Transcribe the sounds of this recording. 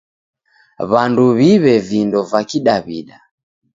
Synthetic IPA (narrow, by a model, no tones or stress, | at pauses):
βanduβiβɛvindɔvakiɗaβḭɗa